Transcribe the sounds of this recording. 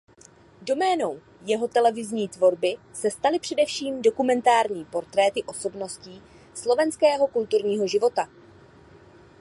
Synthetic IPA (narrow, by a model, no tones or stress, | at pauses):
do̞mɛːno̞w | jɛɦo̞t̪ɛlɛvɪzɲiːt̪vo̞ɾbɪ | sɛst̪alɪpr̥ɛdɛfʃiːmdo̞kumɛnt̪aːɾɲiːpo̞ɾt̪ɾɛːt̪ɪʔo̞so̞bno̞sciː | slo̞vɛnskɛːɦo̞kult̪uɾɲiːɦo̞ʒɪvo̞t̪a